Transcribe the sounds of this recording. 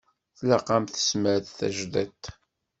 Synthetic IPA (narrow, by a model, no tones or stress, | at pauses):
θlaqɑmθə̥sməɾðθæ̰ʒðæt̪